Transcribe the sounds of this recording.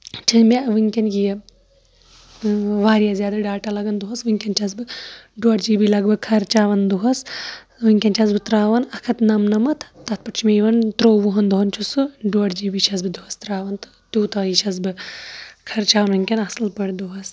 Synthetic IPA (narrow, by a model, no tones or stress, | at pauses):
t͡ʃʰinmʲeʋɨŋkʲɐnɡijɐ | ʋaːɾijazʲjaːd̪ɐɖaːʈalɐɡɐnd̪uɦɐsʋɨŋʲkʲɐnt͡ʃʰɐs̬bɨɖuɐʈd͡ʒiːbilɐɡbɨkʰɐɾt͡ʃaːʋɐnd̪uɦɐs | ʋɨŋʲkʲɐnt͡ʃʲʰɐsbɨt̪ɾaːʋɐnɐkʰɐt̪nɐmnɐmɐt̪ʰt̪ɐt̪̚pɐʈt͡ʃʰmejʋɐnt̪ɾoːʋuɦɐnd̪uɦɐnt͡ʃʰusɨɖuɐʈd͡ʒiːbiʃʰɐz̬bɨd̪uɦɐst̪ɾaːʋɐnt̪ɨ̥t̪uːt̪ɐɐiʃʰɐz̬bɨ | kʰɐɾt͡ʃaːʋɐnʋɨŋʲkʲɐnɐsɨlpɐɽd̪uɦɐs